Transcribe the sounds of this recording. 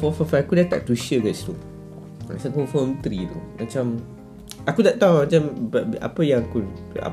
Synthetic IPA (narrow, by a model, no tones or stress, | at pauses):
fɔfɔfaakudat̪a̰ʔt̪uʃəɡast̪u | ma̰t͡ʃakufɔmt̪ɾit̪umat͡ʃam | akudaʔt̪awmãt͡ʃamba̰pəjãŋakua̰